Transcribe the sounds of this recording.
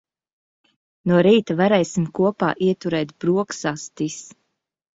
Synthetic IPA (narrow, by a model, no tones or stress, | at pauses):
nuɔɾiːt̪avaɾɛjsimkuɔpa̰ːʔiɛt̪uɾɛːt̪b̥ɾuɔksast̪is